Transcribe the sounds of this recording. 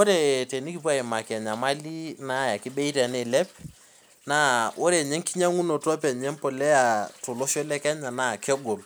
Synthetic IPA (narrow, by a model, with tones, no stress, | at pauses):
wo˦ɾe˨te˨ni˦ki˦p̬u˦a˦˨ɪ˨ma˨kɛ˨ɲa˨ma˦li˦na˦˨ja˨ki˦ɓe˦i˦tɛ˨nɛ˦˨lɛ˦p̚ | na˦wʔo˦ɾe˨ɲɛ˦ŋki˦ɲa˦ŋu˦no˨tɔ˦p̬ɛ˨ɲɛ˦mpɔ˨lɛ˦a˨tʊ˨lɔ˦ʃɔ˦lɛ˦kɛ˦ɲa˨na˦˨kɛ˦ɡo˨l